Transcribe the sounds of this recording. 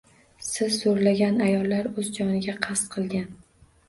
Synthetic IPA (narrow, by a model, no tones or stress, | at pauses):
sɪzːoɾlaɡʲanajɒlˠːaɾɵzd͡ʒɒnɪɡʲaqʰɑst̪qʰɨlˠɡʲan